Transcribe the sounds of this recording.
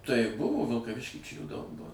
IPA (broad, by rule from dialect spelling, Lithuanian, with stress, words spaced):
tɐɪ ˈbʊʋoː ʋʲɪlˠkɐˈʋʲɪʃʲkʲiː t͡ʃʲɛ juː dɐʊk ˈbuɔ